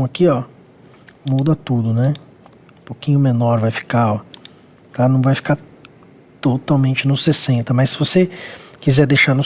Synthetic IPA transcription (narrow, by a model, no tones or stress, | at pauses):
akiɔ | mud̪ɐt̪ud̪ʊnɛ̃ | pokĩɲʊmenɔɾvajfi̥kaɔ | t̪anɐ̃w̃vajfi̥kaɾ | t̪ot̪awmẽnt͡ʃɪnʊsesẽnt̪ɐmɐsːɪvosekizɛɾd̪ejʃaɾnʊ